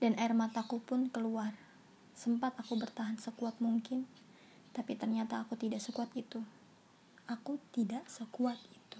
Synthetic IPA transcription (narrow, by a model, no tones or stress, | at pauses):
danaɪrmat̪akupʊnkəluar | səmpat̪akubərt̪aɦansəkuat̪̚muŋkɪn | t̪apit̪ərɲat̪aːkut̪idaʔsəkuat̪it̪u | akut̪idaʔsəkuat̪̚i̥t̪u̥